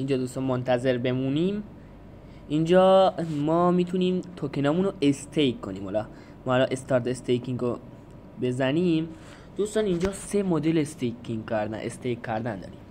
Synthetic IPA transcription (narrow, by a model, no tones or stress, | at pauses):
ind͡ʒɒːd̪uːst̪ɒːnmont̪ʰæze̞ɾbe̞muːniːm | ind͡ʒɒːmɒːmiːt̪ʰuniːmt̪ʰokʰenɒːmunoest̪ʰejkʰːoniːmholɒ | mɒːhːlɒʔe̞st̪ɒːɾt̪est̪ejkʰiŋɡo | be̞zæniːm | d̪̥uːst̪ɒːnind͡ʒɒːse̞mod̪elest̪ejkʰiŋɡkæɾd̪æ̰nʔḛst̪ejkʰːæɾd̪ænd̪ɒ̰ːɾḭm